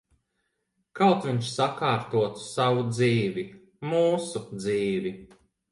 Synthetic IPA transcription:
kawt̪vʲiɲʃsakaːɾt̪uɔt̪u̥savud̪ziːvi | muːsud̪ziːvi

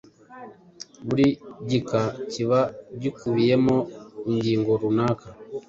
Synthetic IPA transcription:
βuliɟikaciβaɟikuβijɛmɔuɲɟiŋɡɔɾunaka

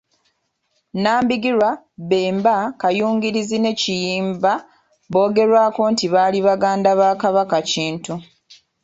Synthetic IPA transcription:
naːmbiɡiɾwa | βeːmbakajuːŋɡiɾizine̞cijiːmba | βo̞ːɡe̞ɾwaːko̞ntiβaːliβaɡaːndaβaːkaβakaciːntu

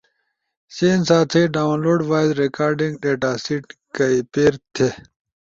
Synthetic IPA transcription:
sensaːt͡s̪ʰɐjɖaːwnloːɖʋaːjzɾekaːɾɖĩŋɡɖeːʈaːsiːʈ̚kɐipeːɾt̪ʰe

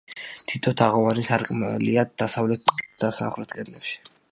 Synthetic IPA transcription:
t̪ʰit̪ʰɔt̪ʰaʁɔvanisaɾkʼmɛ̰liad̪̥asavlɛt̪̚ʰd̪̥asa̰χlɛt̪̚ʰkʼɛd̪lɛpʃi̥

